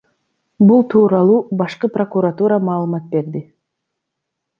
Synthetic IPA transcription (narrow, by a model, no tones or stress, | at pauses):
bulˠt̪ʰuːɾɑlˠuːbɑʃqɯpro̞kuɾat̪uɾamɑːlˠɯmɑt̪̚be̞ɾd̪i